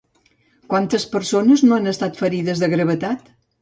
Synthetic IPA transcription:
kwant̪əspəɾsonəznoanəst̪at̪fəɾiðəzðəɣɾəβət̪at̪

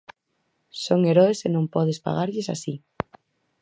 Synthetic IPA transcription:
soŋeɾɔesenõmpɔð̞espa̰ɣaɾʎɪsa̰si

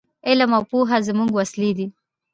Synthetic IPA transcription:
ɪlamawpuɦazəmuŋɡwaslid̪i

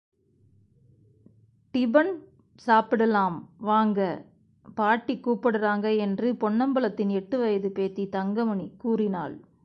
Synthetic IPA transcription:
ʈɪbɐn | saːpɪɽɐlaːmʋaːŋɡɐ | paːʈːikːuːpːɐɽɯraːŋɡɐɛndrɯpɔɳːɐmbɐlɐt̪ːɪnɛʈːɯʋɐjɐðɯpeːt̪ːit̪ɐŋɡɐmɐɳikuːrɪna̰ːl

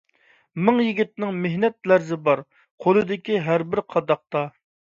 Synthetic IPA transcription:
mɪŋjiɡʲit̪̚nɪŋmehnɛt̪̚læɾzɪbɑɾ | qʰolˠɨd̪ɪkʲiɦæɾbɪɾqʰɑd̪ɑq̚t̪ɑ

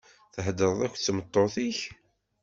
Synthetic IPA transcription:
θəɦd̪əɾˤðˤækʷːt͡sːmət̪ˤːoθiç

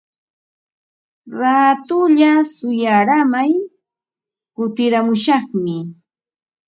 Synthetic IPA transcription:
ɾat̪ʊʎasʊjaɾamaj | kʊt̪ɪɾamʊʃɑχmɪ

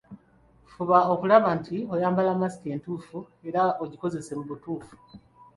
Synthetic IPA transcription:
fuβao̞kulaβantio̞jaːmbalamasi̥ce̞ːntuːfu | e̞ɾaoɟiko̞ze̞se̞muβutuːfu̥

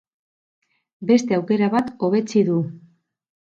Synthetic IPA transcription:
be̞st̪e̞awke̞ɾaβat̪o̞β̞e̞t͡siðu

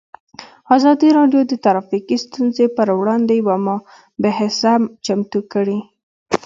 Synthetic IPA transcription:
azɑd̪iɾɑɖjod̪ət̪aɾɑfiqist̪unzepəɾwɽɑnd̪ejwamɑ | bɪɦɪsamt͡ʃamt̪ukəɽi

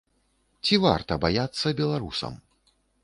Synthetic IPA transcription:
t͡sʲiva̰rt̪ɐbajat̪sːɐbʲɛlˠaɾusɐ̰m

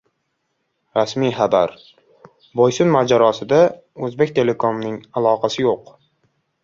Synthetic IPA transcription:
ɾasmijχabaɾ | bojsʊnmad͡ʒaɾɒsɪd̪a | ɵzbek̚ʲt̪ʰe̞le̞kʰomnɪŋalˠɒqʰɑsɪjoq

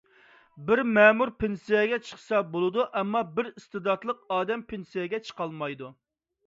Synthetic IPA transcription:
bɪɾmɛːmuɾpʰensijɛɡʲɛt͡ʃʰə̥χsɑbolˠɨd̪uʔɛmːɑbɪɾist̪ɨd̪ɑt̪lˠəq̚ɑːd̪ɛmpʰensijɛɡʲɛt͡ʃʰə̥qɑlˠmɑjd̪u

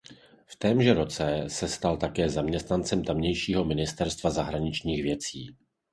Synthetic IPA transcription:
ft̪ɛːmʒɛɾo̞t͡sɛsɛst̪alt̪akɛːzamɲɛst̪nant͡sɛmt̪amɲɛjʃiːɦo̞mɪnɪst̪ɛɾst̪vazaɦɾaɲɪt͡ʃɲiːxvjɛt͡siː

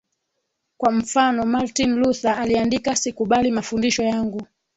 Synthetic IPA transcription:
kwam̩fanɔmaɾtinluθaːliandikasikuɓalimafundiʃɔjaŋɡu

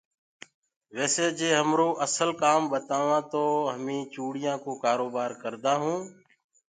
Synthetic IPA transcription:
ʋeːseːd͡ʒeːɦəmɾoːʔəsəlkaːmɓət̪aːʋãːt̪oːɦəmĩːt͡ʃuːɽɪjãːkoːkaːɾoːbaːɾkəɾd̪aːɦũː

